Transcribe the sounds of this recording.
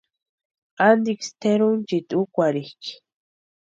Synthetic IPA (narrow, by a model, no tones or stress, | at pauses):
and̪ikst̪eɾunt͡ʃit̪ukʷaɾihki̥